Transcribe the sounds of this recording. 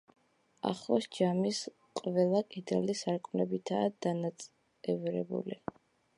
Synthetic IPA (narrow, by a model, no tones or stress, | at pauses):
a̰χˠɔsd͡ʒamis | qʼvɛlˠakʼid̪ɛlisaɾkʼmlɛbit̪ʰaːd̪̥anat̪sʼ | ɛvɾɛ̰bṵli